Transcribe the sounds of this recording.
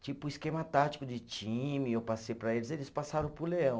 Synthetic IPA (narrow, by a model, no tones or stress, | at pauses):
t͡ʃipʊiskemɐt̪at͡ʃi̥kʊd͡ʒɪt͡ʃĩmɪewpasejpɾɐelɪzelɪspasaɾɐ̃w̃pʊɾleɐ̃w̃